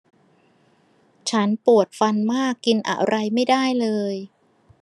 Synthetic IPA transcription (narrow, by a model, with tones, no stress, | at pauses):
t͡ɕʰa˦˥npu˨˩ət̪̚fa˧nmaː˥˩kːi˧nʔa̰˨˩ʔɾa˧jma˥˩jdaː˥˩jlɤː˧j